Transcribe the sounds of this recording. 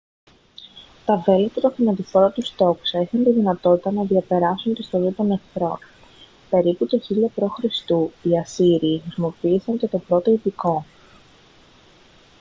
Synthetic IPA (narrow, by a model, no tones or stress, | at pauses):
t̪ɐve̞let̪ɐt̪oθimɐt̪ifoɾɐt̪ust̪o̞ksɐixɐnt̪iðinɐt̪o̞t̪it̪ɐnɐðiɐpe̞ɾɐsunt̪ist̪olit̪o̞ne̞kθɾo̞̰n | pe̞ɾiput̪oçiʎɐpɾo̞xɾist̪uiɐsiɾiːxɾisimo̞piːsɐɲcet̪o̞pɾo̞t̪o̞ipiko̞